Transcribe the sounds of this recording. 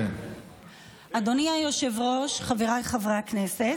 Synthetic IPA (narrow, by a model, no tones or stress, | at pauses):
ʔad̪oniajoʃevʁo̞ʃχaveʁajχavʁaknese